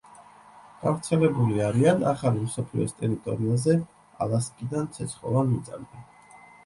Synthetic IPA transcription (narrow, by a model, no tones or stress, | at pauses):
ɡ̥avɾt̪sʰɛlɛbuliaɾiana̰χalimsɔpʰlḭɔ̰st̪ʼɛɾit̪ʼɔɾiazɛ | a̰lˠaskʼid̪ant̪sʰɛt̪sʰχɔ̰vanmit̪sʼa̰mɡ̪ɛn